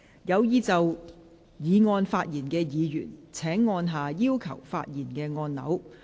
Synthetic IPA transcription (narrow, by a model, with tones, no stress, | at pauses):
jɐ˨˧wjiː˨˧t͡sɐ˨w | jiː˨˧ŋɔː˧nfaː˧t̚jiː˨˩nkɛː˧jiː˨˧jy̰ː˨˩nt͡sʰɛː˨˥ŋːɔː˧nɦaː˨jiː˥wkʰɐ̰˨˩wfa̰ː˧t̚jiː˨˩nkɛː˧ŋɔː˧nnɐ̰˨˥w